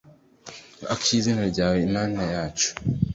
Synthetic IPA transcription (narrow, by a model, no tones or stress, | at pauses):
akizinaɾɟaːweimaːnajaːt͡ʃo̥